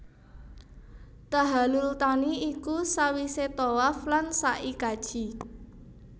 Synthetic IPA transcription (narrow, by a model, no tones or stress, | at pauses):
t̪aɦalult̪aniikusawiset̪owaflansaʔikad̥ʒ̥i